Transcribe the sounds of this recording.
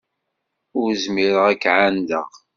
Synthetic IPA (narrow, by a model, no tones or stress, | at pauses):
ʊɾzmiɾəʁækːʕand̪ə̰ʁ